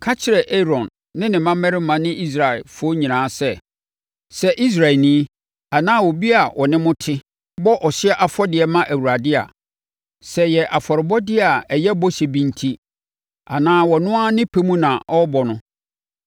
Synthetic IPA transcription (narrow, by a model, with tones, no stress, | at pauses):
kʰa˦t͡ɕʰɪ˦ɾɛ˨ʔɛ˦ɾɔ̃˨nː | ɪ̃˦nɪ̃˨mã˦mɛ˦ɾɪ˦mã˨nɪ̃˦ʔi˦s̬ɾa˨ɪ˨lfʊ˦o˦ɲĩ˨nãː˨˦sɛ˦ | sɛ˦ʔi˦s̬ɾa˨nĩ˦ | a˨nãː˦wo˨bi˦a˨wʔɔ˨nɪ̃˦mʊ̃˦tʰɪ˦ | bɔ˦ʔɔ˨ɕɪ˦ɛ˦ʔa˨fɔ˦dɪ˨ɛ˨mã˦ʔæ˨wu˨ɾa˨dɪ˦a̰˨ | sɛ˦jɛ˨ʔa˨fɔ˨ɾɪ˨bɔ˦dɪ˦a˨ɛ˨jɛ˦bɔ˦ɕe˨bĩ˨ntʰi˦ | a̰˨nãː˦wɔ˨nʊ̃˦a˦nɪ̃˦pʰe˦mũ˦nã˨ʔɔ˦bɔ˨nʊ̃˦